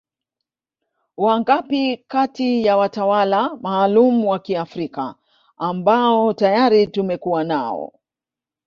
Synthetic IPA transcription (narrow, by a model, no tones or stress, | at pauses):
waŋɡapikatijawatawalamaːlumuwakiafɾika̰ | ambaɔtajaɾitumɛkuwana̰ɔ̰